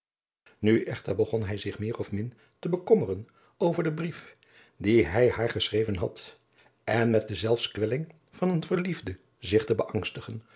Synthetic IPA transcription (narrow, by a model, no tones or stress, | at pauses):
nyʔɛχtəɹbəχɔnɦɛjzɪχmɪːrɔfmɪn | təbəkɔmərən | owvəɹdəbrif | diɦɛjhaːɹχəsrejvənɦɑt | ɛnmɛt̚dəzɛlˠfskʋɛlɪŋ | v̥ɑnənvəɹlivdə | zɪχtəbəʔɑŋstəχən